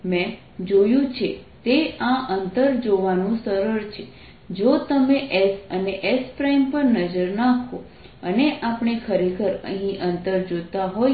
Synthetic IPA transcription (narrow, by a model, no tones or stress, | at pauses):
mɛ̃ | d͡ʒojũt͡ʃʰet̪eãʔənt̪əɾd͡ʒoʋanũsəɾəɾt͡ʃʰe | d͡ʒot̪əmeʔesəneʔespɾajmpəɾnəd͡ʒəɾnakʰo | əneʔapɳ̃ekʰəɾekʰəɾə̰ɦĩʔənt̪əɾd͡ʒot̪aɦoj